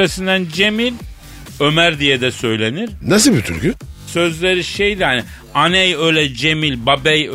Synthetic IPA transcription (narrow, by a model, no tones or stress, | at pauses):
asɯnd̪ænd͡ʒe̞milʲ | ø̞mæɾd̪ijɛd̪ɛsø̞jlʲe̞niɾ̥nasilbit̪ʰy̰ɾkysø̞zlʲeɾiʃejd̪ihanɪ | anɛjø̞jlʲɛd͡ʒe̞milʲbabɛj